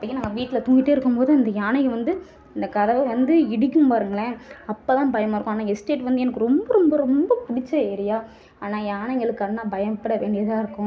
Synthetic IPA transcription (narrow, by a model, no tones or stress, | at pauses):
ɐpːɐɽɪŋːɐnaːŋɡɐʋiːʈːɪlɐt̪ʊŋɡɪʈːɯːɪɾɯkːɯmpoːðɯɐnd̪ɐjaːnɐjɐʋɐnd̪ɯ | ɪnd̪ɐkɐðɐʋɐʋɐnd̪ɯɪɽɪkːɯmpaːɾɯŋɡɐɭɛ̃ɐpːaːt̪ãːbɐjɐmaːɪɾɯkːʊ̃aːnːaːɛsʈeːʈʋɐnd̪ɯɛnɐkːɯɾɔmbɐɾɔmbɐɾɔmbɐpʊɽɪt͡ʃːɐeːɾɪjaː | aːnaːjaːnɐŋɡɐɭɯkːɐnːaːbɐjɐmpɐɽɐʋeːnɖɪjɐðaːɪɾɯkːʊ̃